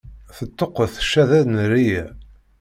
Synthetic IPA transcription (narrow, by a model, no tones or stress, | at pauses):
θət̪ːoqːəθə̥ʃːæðæðnɾijæ